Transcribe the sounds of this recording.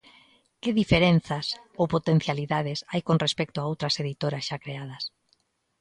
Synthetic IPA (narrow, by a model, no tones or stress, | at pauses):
kɪðifeɾen̟θasowpot̪en̟θjaliðað̞ɪsajkonrespɛk̚t̪ʊaowt̪ɾɐseðit̪oɾasʃakɾeað̞ɐs